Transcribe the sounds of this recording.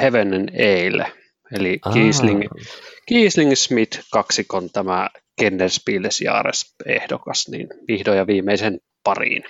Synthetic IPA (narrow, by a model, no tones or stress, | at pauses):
heʋeneneilḛ | elikiːsliŋkiːsliŋsmit̪kɑksikont̪æmækenːerspiːlːesjɑ̰ːɾḛsḛhdokɑsnḭnʋihdoːjɑʋiːmːˑeisen | pɑrḭn